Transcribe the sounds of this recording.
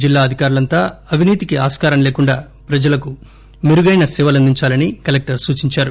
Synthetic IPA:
d͡ʒilːaːɐd̪ʱikaːɾulɐnt̪aːɐʋʱiniːt̪ikiaːskaːɾɐmle̞ːkuɳɖaː | pɾɐd͡ʒɐlɐku | miɾuɡɐjnɐsiʋɐlɐnd̪iɲt͡ʃaːlɐnikɐlek̚ʈɐɾsuːt͡ʃiɲt͡ʃaːɾu

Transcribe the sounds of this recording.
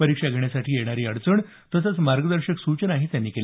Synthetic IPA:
əɾikʂaɡʱeɳ̃jasaʈʰiːjeɽ̃aɾiːəɽt͡səɳ | t̪əsət͡smaɾɡəd̪əɾɕəksut͡ɕənaɦit̪janːiːkel

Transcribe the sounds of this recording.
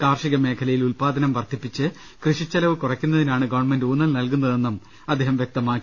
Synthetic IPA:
kaːrʂiɣɐme̞ːkʰɐlɐjilulpaːd̪ɐnɐmʋɐrt̪ʰipːit͡ɕːɨ | krɨʂit͡ɕːɐlɐʋɨkurɐkʲːunːɐðinaːɳɨɡɐʋɳmenduːnːɐlnɐlk̬unːɐðenːum | ɐd̪ːeːɦɐmʋjek̚t̪ɐmaːkːi

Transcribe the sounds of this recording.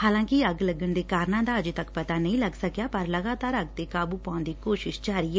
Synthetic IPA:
haːlãːkɪəɡləɡəɳd̪eːkaːɾnãːd̪aːəd͡ʒt̪əkpɐt̪aːnəɦĩːləɡsəkjaːpəɾləɡaːt̪aːɾəɡt̪eːkaːbuːpaːnd̪iːkoːʃɪʃd͡ʒaːɾiːɦɛː

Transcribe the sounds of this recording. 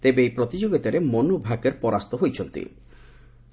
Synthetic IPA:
t̪ebeejpɾot̪id͡ʑoɡit̪aɾemonubʱakeɾpɔɾast̪oɦojt͡ʃʰont̪ḭ

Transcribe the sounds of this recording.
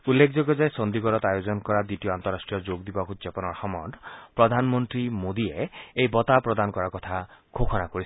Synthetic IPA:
ulːekʰd͡ʒoɡɔd͡ʒajsɔnd̪iɡɔɾɔt̪ajod͡ʒɔnkɔɾad̪itiɔant̪ɔɾasʈɾijɔd͡ʒoɡd̪ibakud͡ʒepɔnɔɾxɔmɔɳɖpɾɔd̪ʱanmɔnt̪ɾimod̪ieejbɔt̪apɾɔd̪ankɔɾakɔt̪ʰakʰokʰɔnakoɾisʰ

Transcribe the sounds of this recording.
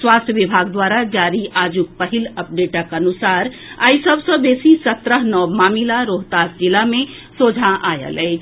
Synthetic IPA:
swast̪ʰjəʋibʱaɡd̪waɾad͡ʒaɾiʔad͡ʒuk̚pəɦiləp̚ɖeʈəkənusaɾ | aisəbʱsə̃besisət̪ɾəɦnɔbmamilaɾoɦt̪asd͡ʒilame | sod͡ʒʱãʔajə̰lɛɪt͡ʃʰ

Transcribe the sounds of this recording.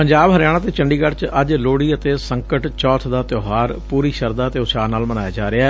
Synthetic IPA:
pəɲd͡ʒaːbɦəɾjaːɽ̃aːt̪eːt͡ʃəɳɖiːɡəɽt͡ʃəd͡ʒloːɽiːət̪eːsəŋkəʈt͡ʃɔːt̪ʰd̪aːt̪joːɦaːɾpuːɾiːʃəɾd̪aːt̪eoːsaːnaːlmənaːjaːd͡ʒaːɾeaɛː

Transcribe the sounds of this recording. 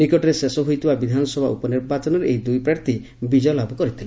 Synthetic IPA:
nikɔʈɔɾesesɔɦojt̪ʰibabid̪ʱanɔsɔbʱaʔupɔniɾbat͡ʃɔnɔɾeʔejd̪ujpɾaɾt̪ʰi | bid͡ʒɔjɔlabʱɔkɔɾit̪ʰile

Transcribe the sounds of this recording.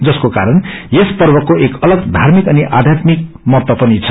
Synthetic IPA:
d͡zʌskokaɾʌnjespʌrbʌkːoʔekʌlʌɡd̪ʱarmikʌniʔad̪ʱjat̪mik̚ | mʌt̪wʌpʌnit͡sʰʌ

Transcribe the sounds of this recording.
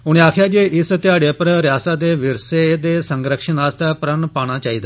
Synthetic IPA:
uːɽ̃iakʰjad͡ʑeʔist̪jaɽepɾəɾjasad̪eʋiɾsed̪esəŋɡɾəkʂinast̪apɾəɳpaɽ̃ãt͡ɕaɦit̪a

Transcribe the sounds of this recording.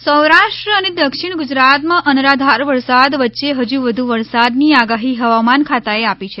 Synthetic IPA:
səwɾaʃʈɾəəned̪əkʃiɽ̃ɡʊd͡ʒɾat̪mãʔənɾad̪ʱaɾʋəɾsad̪ʋətːʃeɦəd͡ʒuʋəd̪ʱuʋəɾsad̪niaɡaɦiɦəʋamankʰat̪aeapit͡ʃʰe

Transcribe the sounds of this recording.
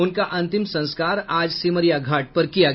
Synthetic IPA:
ʊnkaʔɐ̃nt̪ɪmsɐ̃nskaːɾaːd͡ʒsiməɾjaɡʱaːʈ̚pɐɾkija

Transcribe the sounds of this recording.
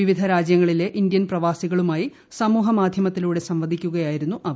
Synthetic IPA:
iʋid̪ʱɐɾaːd͡ʑjɐŋːɐɭile̞ʔind̪jɐnprɐʋaːsiɣɐɭumaːji | sɐmuːɦɐmaːd̪ʱjɐmɐt̪ːiluːɽesɐmʋɐd̪ʱikʲːuɣɐjaːjiɾunːuʔɐʋ

